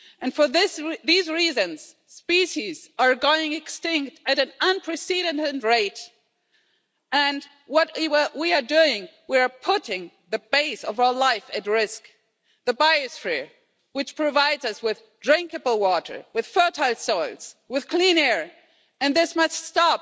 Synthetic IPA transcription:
ʔɨ̃nfə˞ðɪsðizɹizɨ̃nz̥ | spiʃizə˞ɡoʊɪ̃ŋɨkstɪ̃ŋk̚tɨɾɨ̃nʌ̃npʰɹ̥ɨsiɾɨnɨnɹeɪt | ɨ̃n | wʌt̚wiə˞duɪ̃ŋwiə˞pʰʊɾɪ̃ŋ | ðɨbeɪsʌvaʊə˞laɪfɨt̚ɹɪsk | ðɨbaɪɨsfɹiɹ | wɨt͡ʃpʰɹ̥ɨvaɪdzʌswɪð | dɹɪ̃ŋkɨbl̩ˠwɔɾə̰˞wɨð̥fɜ˞tʰaɪlˠsoʊlˠz̥wɨð̥kʰl̥ĩnɛɹ | ɨ̃nðɪsmʌststɑp̚

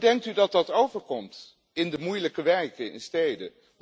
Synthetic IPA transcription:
dɛŋk̚tydɑt̚dɑtowvəɹkɔmt | ɪndəmujləkəʋɛɹkəɪ̰nstejdə

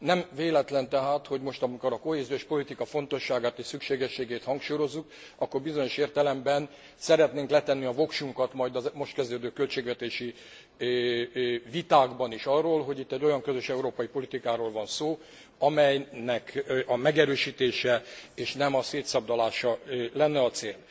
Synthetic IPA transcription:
nɛmveːlɛt̪lɛnt̪ɛɦaːt̪ho̞ɟmo̞ʃt̪ɒmiko̞ɾɒko̞ɦeːzioʃpo̞lit̪ikɒfo̞n̪t̪o̞ʃːaːɡaːt̪eːʃsykʃeːɡɛʃːeːɡeːt̪hɒŋkʃuːjo̞zːuk | ɒkːo̞rbizo̞ɲo̞ʃeːrt̪ɛlɛmbɛn | sɛɾɛt̪neːŋklɛt̪ɛnːiɒvo̞kʃuŋkɒt̪mɒjd̪ɒzmo̞ʃt̪kɛzd̪øːd̪øːkø̞lt͡ʃeːɡʋɛt̪eːʃi | vit̪aːɡbɒniʃɒrːoːlɦoɟit̪ːɛɟːo̞jɒŋkø̞zøʃɛuɾoːpɒipo̞lit̪ikaːɾoːlvɒnsoː | ɒmɛjnɛkʔɒmɛɡɛɾøːʃiːt̪eːʃɛeːʃnɛmɒseːt̪sɒb̚d̪ɒlaːʃɒlɛnːɛɒt̪seːl

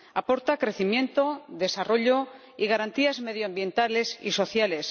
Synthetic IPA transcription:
apo̞ɾt̪akɾe̞θimje̞nt̪oðe̞saro̞ʎo | iɣaɾant̪iazme̞ð̞joambje̞nt̪alesḭso̞θjales

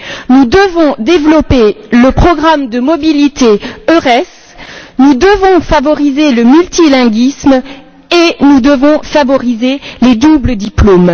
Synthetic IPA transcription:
nud̪əvɔ̃d̪evlɔpeləpχɔɡʁamd̪əmɔbilit̪eøʁɛs | nud̪əvɔ̃favɔʁizeləmylt̪ilɛ̃ɡism | enud̪əvɔ̃favɔʁizeled̪ubləd̪iplom

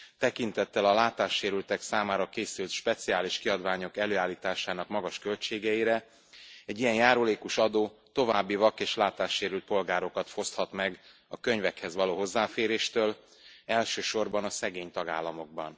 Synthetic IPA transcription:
t̪ɛkint̪ɛt̪ːɛlɒlaːt̪aːʃːeːɾylt̪ɛksaːmaːɾɒkeːsylt̪ʃpɛt̪siaːliʃkiɒd̪vaːɲo̞kɛløːaːlːiːt̪aːʃaːnɒkmɒɡɒʃkølt͡ʃeːɡɛjiɾɛ | ɛɟːijɛnjaːɾuleːkuʃɒd̪oːt̪o̞vaːbːivɒkeːʃlaːt̪aːʃːeːɾylt̪̚po̞lɡaːɾo̞kɒt̪fo̞st̪hɒt̪mɛɡ | ɒkøɲvɛkhɛzʋɒloːɦo̞zːaːfeːɾeːʃt̪øːl | ɛlʃøːʃo̞rbɒnɒsɛɡeːɲt̪ɒɡa̰ːlːɒmo̞ɡ̚bɒ̰n

